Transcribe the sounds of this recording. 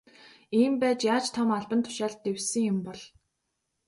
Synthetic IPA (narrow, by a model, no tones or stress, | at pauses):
iːmpæːt͡ɕjaːt͡ɕt̪ʰɔmaɮpə̆nt̪ʰʊ̥ʃaːɮt̪ːewsɘ̆ŋjʊmpɔɮ